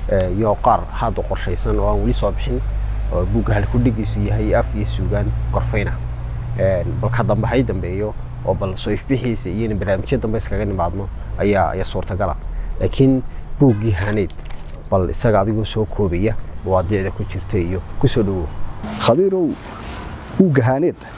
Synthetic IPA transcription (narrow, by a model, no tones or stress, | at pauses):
ɛjɔqɑːrhad̪ʊqɔrʃɛjsɐnɔːaːnwɐlɪsɔːbɪħɪn | ɔːbuːɡɐɦɐlkʰʊɖɪɡisʊjɐɦɛjɐfijɔsuːɣaːnɡ̥ɔrfɛjnɐ | ʔɛnbɐlkʰɐd̪ɐmbɐɦɐjd̪ɐmbɛːjɔ | ʔɔːbɐlsɔːɪfbɪħiːsɐijɔnɐbɐrnaːmɪt͡ʃjɐd̪ɐmbɛɪskʰɐɣɐnɪmaːd̪nɔ | ʔɐja̰ːja̰ːsuːrt̪ʰɐɡɐla̰laːkʰɪnb̥uːɡɪɦaːnɛːd̪̥ | b̥ɐlɪ̰sɐɣɐːðɪɣɔːsɔːkʰɔːβɛjɐmwɑːd̪ɪʕðɐkʰʊt͡ʃɪrt̪ʰɛijɔkʰʊsɔːɖɔwɔχɑðiɾɔw | b̥uːɡɐɦaːnɛːd̪